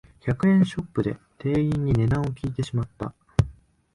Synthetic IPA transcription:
çakɯ̟ẽ̞ɰ̃ɕo̞pːɯ̟d̪e̞ | t̪e̞ːĩɲ̟ːine̞d̪ãɰ̃o̞kʲiːt̪e̞ɕimat̪ːa̰

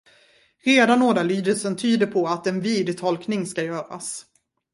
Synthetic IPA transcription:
ɾeːd̪anːoːd̪alyːd̪əlsənt̪ʰyːd̪əɾpʰɔat̪ɛnviːd̪t̪ʰɔlknɪŋskajœːɾa̰s

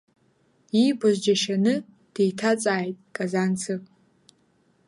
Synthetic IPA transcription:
ibʷazd͡ʒaʃanɨ | d̥ejtʰat͡sʼaːjtʼkʼazant͡sʰɨpʼ

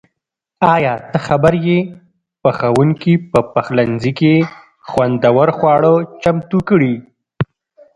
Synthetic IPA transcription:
ɑjɑt̪əxabaɾje | pəxawuŋkipəpaxlanzike | xwand̪awaɾxwɑɽət͡ʃamt̪ukɽi

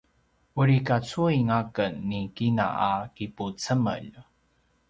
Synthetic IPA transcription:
ʔuɾikat͡suiŋakənːikina̰akiput͡səmə̰ʎ

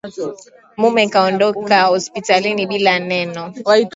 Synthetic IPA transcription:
mumɛkaɔndɔkahɔspitaliniɓilanɛnɔ

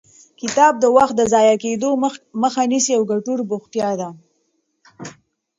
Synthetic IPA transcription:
kɪt̪ɑb̚d̪əwaxt̪̚d̪əzɑjaked̪oməxanisiawɡaʈuɾbʊxt̪jɑd̪a

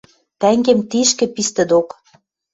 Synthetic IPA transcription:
t̪æŋɡemt̪iʃkɘ̆pist̪ɘ̆d̪ok

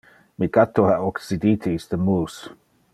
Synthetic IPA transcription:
mikat̪ʰohaʔɔksid̪iːt̪ʰist̪əmuːs

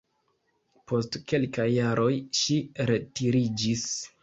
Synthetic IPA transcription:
pʰo̞stke̞lkajːaɾʔo̞jʃiɾetiɾid͡ʒis

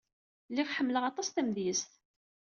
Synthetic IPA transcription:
lːiʁħəmːləʁɑt̪ˤɑst̪æmðjəst̪

